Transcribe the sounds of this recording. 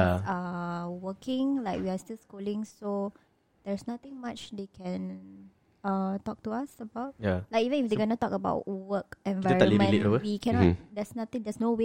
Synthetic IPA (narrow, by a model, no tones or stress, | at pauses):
aawəkɪ̃ŋlaɪkwiastilskolĩŋso | d̥ɛɹsnat̪ɪ̃ŋmat͡ʃdekʰɛ̃n | atɔk̚tuasəbaʊt̚jalaɪkivə̃nifdeɡɔnətɔkəba̰ʊtwəkɛ̃nvaɹ̃limə̃neowəwikʰɛ̃nɔdɛsnat̪ɪ̃ŋdɛsnowe